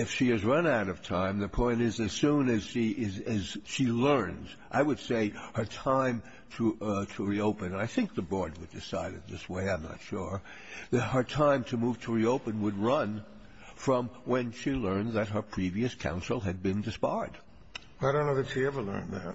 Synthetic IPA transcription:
ɨfʃiɨzɹʌ̃naʊɾʌv̥tʰãɪ̃mðɨpʰɔ̃ɪ̃nɪzðɨz̥sũnɨz̥ʃiʔɪzɨz̥ʃilɜ̃˞nz | ʔaɪwɨd̥seɪhə˞tʰãɪ̃m | tʰəɾʰəɹioʊpɨ̃nɨ̃naɪθɪ̃ŋk̚ðɨbɔɹd̚wədɨsaɪɾɨ̰d̪̚ðɪsweɪãɪ̃mnə̰tʃʊɹ | ðɨt̚hə˞tʰãɪ̃mtʰɨmuv̥tʰəɹioʊpɨ̃nwəd̚ɹʌ̃n | fɹʌ̃mwɨ̃nʃilɜ̃˞nðɨt̚ɦə˞pʰɹ̥iviɨskʰã̰ʊ̃nsl̩ˠɨd̚bɨ̃ndɨspaɪd̥ | aɪɾõʊ̃nːoʊðɨtʃiɛvə˞lɜ̰̃˞nðæ̰t̚

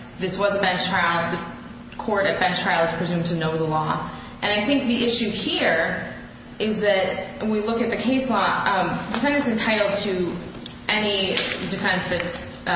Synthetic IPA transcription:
ðɪswʌzəbɛ̃nt͡ʃtʰɹ̥aɪl̩ˠðɨ | kʰɔɹɾɨdbɛ̃nstʰɹ̥aɪlˠəz̥pʰɹ̥izʉ̃mtʰɨnoʊðəlɔ | ʔɨ̃ñaɪθɪ̃ŋk̚ðiʔɪʃʉhiɹ | ʔɪzðɨɾwilʊkɨt̪̚ðɨkʰeɪslɔ̃dɨfɛ̃ndɨ̃sɨ̃ntʰaɪɾl̩ˠd̚tʰɨ | ɛnidɨfɛ̃nsðɨts

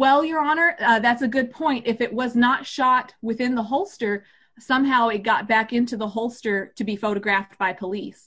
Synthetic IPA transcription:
wɛlˠjə˞ɑnə˞ðætsɨɡʊd̚pʰɔ̃ɪ̃ntɨfɨʔ̚wʌznətʃɑt̚wɨθɪ̃nðəɦoʊlˠstə˞ | sʌ̃mɦaʊɨt̚ɡ̥ɑt̚b̥ækɪ̃ntʉðəɦoʊlˠstə˞ɾɨbifoʊɾɨɡɹæfb̥aɪpʰəlis

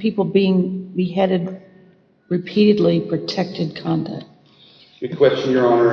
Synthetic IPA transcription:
pʰipl̩ˠbiɪ̃ŋbiɦɛɾɨd̚ | ɹɨpʰiɾɨdˡlipʰɹ̥ɨtʰɛk̚tɨd̚kʰɑ̃ndæ̰k̚ | wɨkʰw̥ɛst͡ʃɨ̃njə˞ɑnə

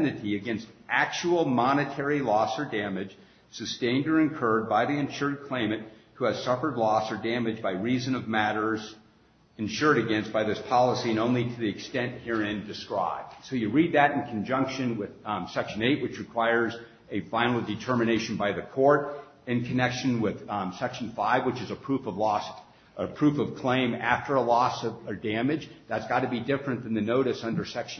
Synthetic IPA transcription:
nɨɾiɨɡɛ̃nstʔæk̚t͡ʃul̩ˠmɑnɨtʰɛɹilɔsə˞dæ̃mɨd̥ʒ̥ | sɨstẽɪ̃ndə˞ɨ̃nkʰɜ˞d̚baɪðiɨ̃nʃʊɹd̚kʰl̥ẽɪ̃mɨ̃t̚huɨz̥sʌfə˞dˡlɔsə˞dæ̃mɨd͡ʒbaɪɹizɨ̃nʌvmæɾə˞z | ɨ̃nʃʊɹɾɨɡɛ̃nsb̥aɪðɪspʰɑlˠəsiɨ̃nõʊ̃nliɾʰɨðiɨkstɛ̃nʔ̚hiɹɪ̃ndɨskɹa̰ɪb̚dsoʊjɨɹid̪̚ðɨɾɨ̃n̩kʰn̩d͡ʒʌ̃ŋkʃɨ̃nwɪðsɛkʃɨ̃neɪʔ̚wɨt͡ʃɹɨkʰw̥aɪə˞z | ɨfãɪ̃ñl̩ˠdɨtʰɜ˞mɨneɪʃn̩baɪðɨkʰɔɹɾ | ɨ̃nkʰɨnɛkʃɨ̃nwɪð̥sɛkʃn̩faɪvwət͡ʃɨzəpʰɹ̥ufʌvlɔs | əpʰɹ̥ʉfʌv̥kʰl̥ẽɪ̃mæ̰ftə˞əlɔsʌvə˞dæ̃mɨd͡ʒðætsɡ̥ɑɾɨbidɪfɹɨ̃nðɨ̃n̩ðɨnoʊɾɨsʌ̃ndə˞sɛkʃ

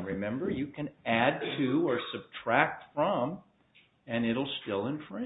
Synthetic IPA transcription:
ɹɨmɛ̃mbə˞jɨkʰɨ̃næd̚tʰʉə˞sɨb̚tʰɹ̥æk̚tfɹʌ̃m | ɨ̃nɪɾl̩ˠstɪlˠə̃nfɹɛ̃

